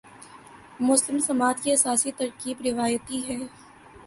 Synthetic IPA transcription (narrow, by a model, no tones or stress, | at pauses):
mʊslɪmsɐmaːt̪kiɐsaːsit̪ɐɾkiːbɾɪʋaːjət̪iɦɛː